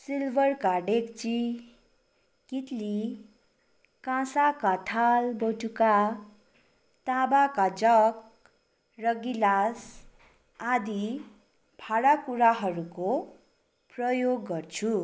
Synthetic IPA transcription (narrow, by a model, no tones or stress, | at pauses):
silbʱʌrkaɖekt͡si | kit̪li | kãsakat̪ʰalboʈuka | t̪abakad͡zʌk̚ | rʌɡilas | ad̪i | bʱaɽakuɾaɦʌɾuko | prʌjoɡːʌrt͡sʰu